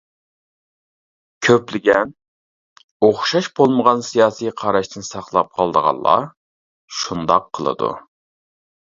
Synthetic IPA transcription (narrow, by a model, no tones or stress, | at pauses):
kʲʰøplɪɡʲɛn | oχʃɑʃbolˠməʁɑnsijɑːsijqʰɑɾɑʃt̪ɨnsɑχlˠɑp̚qʰɑlˠd̪əʁɑ̰nˠlˠɑ̰ | ʃund̪ɑqʰːəlˠə̰d̪ṵ